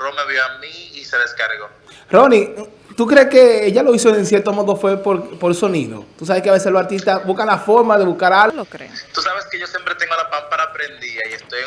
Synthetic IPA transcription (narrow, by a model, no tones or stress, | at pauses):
romeβjoamiiseðeskaɾɣo̞ | ro̞ni | t̪ukɾe̞ske̞eʝalo̞isoensje̞ɾt̪omo̞ðofwe̞poɾpoɾelso̞niðo̰t̪usaβe̞skeaβeselo̞saɾt̪ist̪asbuskanlafo̞ɾmaðe̞βuskaɾaɾḛt̪usaβeskeʝo̞sjempɾet̪e̞ŋɡolapampaɾaːpɾend̪iaiest̪oje